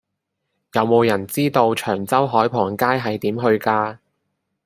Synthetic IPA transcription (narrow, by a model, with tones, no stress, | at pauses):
jɐ˨˧wmo˨˧wjɐ˨˩nt͡siː˥t̪o˧wt͡ʃʰœː˨˩ŋt͡sɐ˥wɦɔː˨˥jpʰɔː˨˩ŋkaː˥jɦɐ˨jt̪iː˨˥mɦɵ˧ɥkaː˧